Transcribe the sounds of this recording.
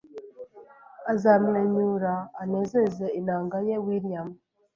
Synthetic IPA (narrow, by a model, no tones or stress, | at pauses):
azamleɲuɾaːnezezeinaːŋɡajewiɾijam